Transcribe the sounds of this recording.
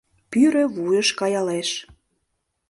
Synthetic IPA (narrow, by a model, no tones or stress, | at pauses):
pyɾø̆βujəʃkɑjɑleʃ